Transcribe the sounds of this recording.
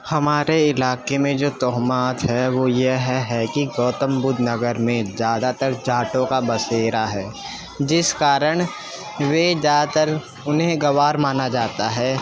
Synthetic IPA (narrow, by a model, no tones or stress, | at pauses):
hɐmaːɾeɪlaːkemẽd͡ʒoːt̪ɔɦmaːt̪ɦɛʋojeɦɛɦɛkiɡɔːt̪əmbʊd̪ʱnɐɡəɾmẽzjaːd̪at̪əɾd͡ʒaːʈõkabɐseːɾaɦɛː | d͡ʒɪskaːɾəɽ̃ | ʋed͡ʒjaːd̪at̪əɾ | ʊnɦẽɡɐʋaːɾmaːnad͡ʒaːt̪aɦɛː